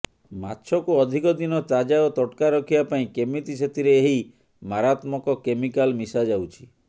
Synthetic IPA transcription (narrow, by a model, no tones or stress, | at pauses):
ma̰tːt͡ʃʰɔkuɔd̪ʱikɔd̪inɔt͡ʃad͡ʒaɔt̪ɔʈkaɾɔkʰibapaĩkemit̪iset̪iɾeːɦi | maɾat̪mɔkɔkemikalmisad͡ʒawt͡ʃʰi̥